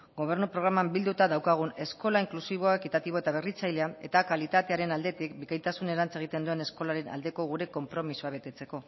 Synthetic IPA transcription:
ɡo̞β̞e̞ɾnupɾo̞ɣɾamambild̪ut̪aðawkaɣ̞une̞sko̞laiŋklusiβ̞o̞aekit̪at̪iβ̞o̞e̞t̪aβ̞e̞rit͡sajleae̞t̪akalit̪at̪e̞aɾe̞nald̪e̞t̪ik̚bikajt̪asune̞ɾant͡se̞ɣ̞it̪e̞nd̪ue̞ne̞sko̞laɾe̞nʔa̰ld̪e̞ko̞ɣ̞uɾe̞ko̞mpɾo̞misuaβe̞t̪e̞t͡se̞ko̞

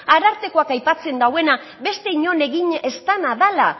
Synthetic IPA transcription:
aɾaɾt̪e̞ko̞akajpat͡se̞nd̪awe̞na | be̞st̪e̞iɲo̞ne̞ɣiɲe̞st̪anaðala

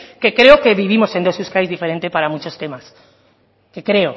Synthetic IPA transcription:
ke̞kɾe̞oke̞βiβimo̞se̞nd̪osuskajzðife̞ɾe̞nt̪epaɾamut͡ʃo̞st̪e̞mas | ke̞kɾe̞o

